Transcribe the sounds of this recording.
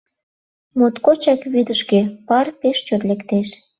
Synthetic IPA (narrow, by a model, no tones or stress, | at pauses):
mot̪kot͡ɕɑkβed̪əʃkepɑrpeʃt͡ɕot̪lekt̪eʃ